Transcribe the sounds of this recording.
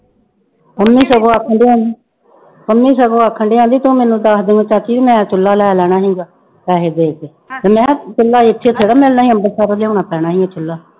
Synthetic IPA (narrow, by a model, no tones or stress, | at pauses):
pəmːiːsəɡoːaːkʰːəɳɖiːãːnd̪iː | kəmːiːsəɡoːaːkʰəɳɖiːãːnd̪iːt̪ũːmɛ̃ːnũːd̪aːsd̪eːŋɡõːt͡ʃaːt̪ʰiːʋiːmɛ̃ːt͡ʃʊlːaːlɛːlɛːɽ̃aːɦĩːɡaː | ɾɛːɦeːd̪eːt̪eː | t̪eːmɛ̃ːt͡ʃʊlːaːɪt̪ʰːeːt̪ʰeːɽaːmɛlnaːɦĩːəmbəɾsaːɾoleoːnaːpɛːɽaːɦiːet͡ʃtʰʊlːaː